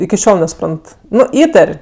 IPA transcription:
ɪkʲɪ ˈʃʲoːlˠ nʲɛsʊˈprɐnt ˈnʊ ˈiːtɐrʲ

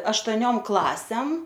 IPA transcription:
ɐʃtoːˈnʲoːm ˈklˠɑːsʲɛm

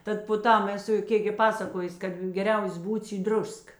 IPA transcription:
ˈtɐt poː ˈtɐm ɛˈsʊ ˈkʲeːk ɡʲɪ ˈpɑːsɐkoːjʊs ˈkɐt ɡʲɛˈrʲɛʊs ˈbuːts iː ˈdrʊsk

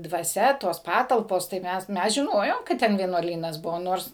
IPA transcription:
dʋɐˈsʲɛ ˈtoːs ˈpɑːtɐlˠpoːs tɐɪ ˈmʲɛs ˈmʲɛs ʒʲɪˈnoːjoːm kɐt ˈtʲɛn ʋʲiɛnuɔˈlʲiːnɐs ˈbʊʋoː ˈnoːrs

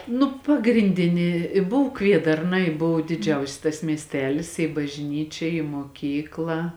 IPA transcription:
ˈnʊ pɐɡrʲɪnʲˈdʲɪnʲɪ ɪ ˈbʊw ˈkʋʲiɛdɐrnɐ ɪ ˈbʊw dʲɪˈd͡ʒʲɛʊsʲɪs tɐs mʲiɛsʲˈtʲæːlʲɪs ɪ bɐʒʲˈnʲiːt͡ʃʲɛ ɪ moːˈkʲiːklˠɐ

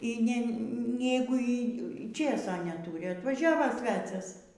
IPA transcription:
ˈiː nʲɛ ˈnʲæːɡʊ iː ˈt͡ʃʲeːsoː nʲɛˈtuːrʲɪ ɐtʋɐˈʒʲæːʋoː ˈsʲʋʲæːt͡sʲɛs

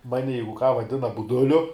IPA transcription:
ˈmɑːnʲɪ ˈjɛɪɡʊ kɑː ʋɐˈdʲɪnɐ bʊˈdʊlʲʊ

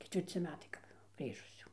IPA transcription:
kʲɛtʲʋʲɪrʲˈt͡sʲɪ ˈmʲæːtɐɪ kɐp ˈɡrʲiːʒʊs jɛʊ

